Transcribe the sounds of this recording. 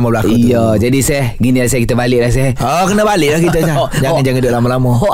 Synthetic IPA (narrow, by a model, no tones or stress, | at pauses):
mɔbəlakujəd͡ʒadisɛhɡinĩlasɛkit̪əbalɪʔlahs̬ɛhɔkənabalɪʔlahkit̪ət͡ʃad͡ʒaŋand͡ʒaŋãdʊʔlamɔlamɔ